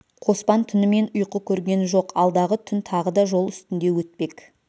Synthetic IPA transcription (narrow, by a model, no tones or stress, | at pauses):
qʰo̞spɑnt̪ʰʏnɪme̞nʊjqəkʲʰɵɾɡʲe̞nʒo̞qʰɑlˠd̪ɑʁət̪ʰʏnt̪ʰɑʁəd̪ɑʒo̞lˠʏst̪ɪnd̪e̞wɵt̪̚pe̞k